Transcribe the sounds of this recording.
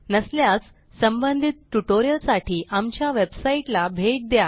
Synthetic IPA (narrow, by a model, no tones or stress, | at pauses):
nəsljat͡s | səmbənd̪ʱit̪̚ʈuʈoɾijəlsaʈʰiːʔamt͡ɕjaʋebsaiʈlabʱeʈ̚d̪ja